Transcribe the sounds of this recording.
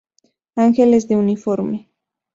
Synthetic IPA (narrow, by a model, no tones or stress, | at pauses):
aŋxelesd̪eunifoɾme